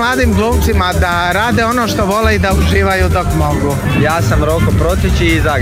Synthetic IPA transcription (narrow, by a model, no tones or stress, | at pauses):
lˠaːd̪iːmɡlˠuːmt̪simad̪a | ɾaːd̪eo̞noːʃt̪oʋo̞leid̪auʒiːʋajud̪o̞kmo̞ɡu | jaːsamɾokopɾo̞t̪it͡ʃiza